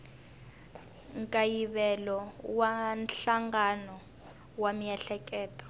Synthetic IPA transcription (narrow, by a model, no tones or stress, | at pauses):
ŋkʼajiβɛlɔwanɬaŋɡanɔ | wamijɛɬɛkʼɛːtʼɔ̥